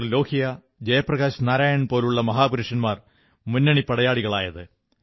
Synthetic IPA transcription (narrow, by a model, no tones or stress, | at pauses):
rlo̞ːhijɐ | d͡ʑɐjɐprɐɣaːɕnaːɾaːjɐɳpo̞ːluɭːɐmɐɦaːpuɾiʂɐnmaːr | munːɐɳipɐɽɐjaːɭiɣɐɭaːjɐðɨ